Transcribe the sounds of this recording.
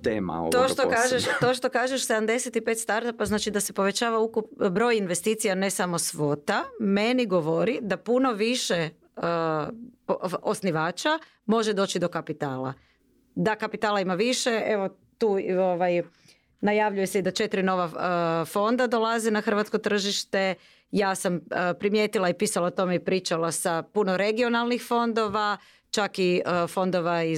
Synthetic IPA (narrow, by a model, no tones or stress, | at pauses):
t̪ḛma̰o̰t̪oʃt̪okaʒeʃt̪o̞ːʃt̪o̞kaːʒeʃsed̪amd̪e̞set̪ipe̞t̪st̪aɾt̪apaznaːt͡ʃid̪asepo̞ʋe̞t͡ʃaːʋaukupbɾo̞jinʋest̪iːt̪sijane̞samo̞sʋo̞t̪ame̞niɡo̞ʋoɾid̪apuno̞ʋiʃe | osniʋaːt͡ʃa | mo̞ʒed̪o̞t͡ʃid̪o̞kapit̪aːlˠa̰ | d̪akapit̪aːlˠaimaʋiʃe̞e̞ʋo̞ | t̪uːoʋaj | najaʋʎujeseid̪at͡ʃe̞t̪ɾino̞ʋaəfo̞nd̪ad̪olˠazenaxr̩ʋat̪sko̞t̪r̩ʒiʃt̪e̞ | jaːsampɾimjet̪ilˠaipiːsalaot̪o̞meipɾiːt͡ʃalˠasapunoɾe̞ɡio̞nalˠnixfo̞nd̪o̞ʋa | t͡ʃakifo̞nd̪o̞ʋai